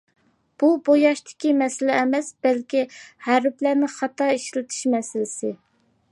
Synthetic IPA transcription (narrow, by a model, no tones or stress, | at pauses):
b̥ubojɑʃt̪ɪ̥kʲimɛsɪlɛːmɛsb̥ɛlkʲihæɾɪplæɾnɪχɑt̪ɑiʃlɪt̪ʰɪ̥ʃmɛsɪlɪsɪ